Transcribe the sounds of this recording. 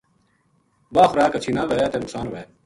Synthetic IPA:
baːxɾaːkət͡ʃʰiːnãːʋeːjaːt̪eːnʊksaːnʋeː

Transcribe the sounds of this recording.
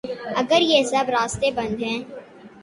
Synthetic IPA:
ɐɡəɾjesɐbɾaːst̪ebɐ̃nd̪ʱɦɛ̃ː

